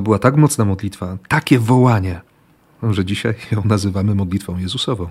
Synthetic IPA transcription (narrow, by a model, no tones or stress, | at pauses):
bɘwat̪akmɔt̪snamɔd̪lʲit̪fat̪akʲɛvɔwaɲɛ | ʐɛd͡ʑiɕa̰jjjɔ̃w̃nazɘvamɘmɔd̪lʲit̪fɔ̃w̃jɛzusɔvɔ̃w̃